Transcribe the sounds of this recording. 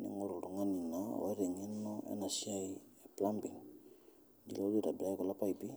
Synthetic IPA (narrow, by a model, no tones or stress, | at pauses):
nḭŋoɾuɾuŋaninao̰eɾeŋenoḛnasiaj | plambiŋ | d͡ʒilauledabiajkolapajpi